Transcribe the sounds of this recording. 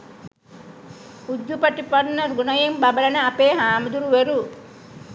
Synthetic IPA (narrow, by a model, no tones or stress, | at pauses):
ud̪ːupɐʈipɐɾnɐɾɡunɐjembɐbɐlɐnɐːpeːɦaːmɐd̪uɾuʋeɾu